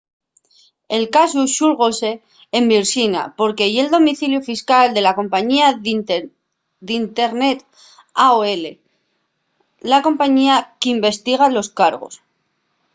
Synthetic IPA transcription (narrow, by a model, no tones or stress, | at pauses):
e̞lkasuʃuɾɣose̞ː | mbiɾsina̰po̞ɾke̞je̞ld̪o̞miθiljufiskald̪e̞lako̞mpaɲiað | d̪int̪e̞ɾne̞t̪ | aoe̞le̞ | lako̞mpaɲiakimbe̞st̪iɣ̞alo̞skaɾɣo̞̰s